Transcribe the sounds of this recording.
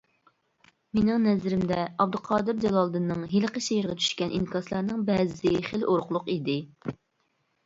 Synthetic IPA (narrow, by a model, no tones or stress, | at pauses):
menɪŋnɛzɾɪmd̪ɛɑb̚d̪lqʰɑːd̪ɨɾd͡ʒɑlˠɑlˠd̪ɨnːɨŋɦelqəʃejɪɾʁʲɛt͡ʃʰy̥ʃkʲɛnʔḭnkʰɑslˠɑɾnɨŋbɛzɪχelʔoɾqʊlˠʊqid̪ɪ